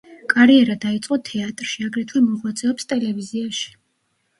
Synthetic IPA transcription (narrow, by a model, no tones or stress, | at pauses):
kʼaɾiɛɾad̪ait̪sʼqʼɔt̪ʰɛat̪ʼɾʃiaɡɾɛt̪ʰwɛmɔʁwat̪sʼɛɔpst̪ʼɛlɛviziaʃi̥